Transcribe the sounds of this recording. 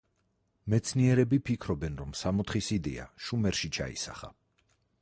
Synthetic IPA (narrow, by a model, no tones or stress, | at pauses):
mɛt̪sʰniɛɾɛbipʰikʰɾɔbɛnɾɔmsamɔt̪χisid̪ɛ̰a̰ʃumɛɾʃit͡ʃʰa̰ḭsa̰χa̰